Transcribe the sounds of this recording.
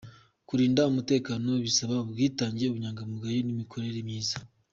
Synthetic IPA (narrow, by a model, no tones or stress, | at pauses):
kuɾiːndaumute̞ːkaːno̞βisaβaoβɡiːtaːɲɟeoβuɲaːŋɡamuɡajinimikʰo̞ɾe̞ɾemɲiːzḁ